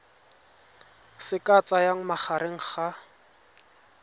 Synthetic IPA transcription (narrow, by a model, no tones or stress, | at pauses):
sɪkʼat͡sajaŋ̩maχaɾeŋ̩χa